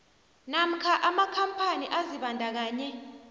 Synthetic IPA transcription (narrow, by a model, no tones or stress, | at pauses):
nam̩kʰaʔamakʰampʰaniʔaziɓandʱak̬aːɲɛ